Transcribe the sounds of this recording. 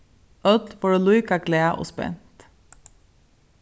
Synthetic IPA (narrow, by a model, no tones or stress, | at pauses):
œt̪foːɖeːluʏkɑkleːʔo̰ːspɛ̰nt̪